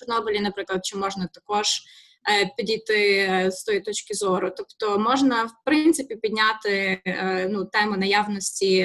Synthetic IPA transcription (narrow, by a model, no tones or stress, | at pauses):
ʊrnɔbʲilʲinɐpɾɪklˠɐd̪̚t͡ʃɪmɔʒnɐt̪ɐkɔʒ̥ | pʲid̪ʲijt̪ɪst̪ɔjit̪ɔt͡ʃkɪzɔɾʊt̪ɔpt̪ɔmɔʒnɐwpɾɪnt̪sɪpʲipʲid̪ʲnʲat̪ɪ | nut̪ɛmʊnɐjaʋnɔsʲtʲi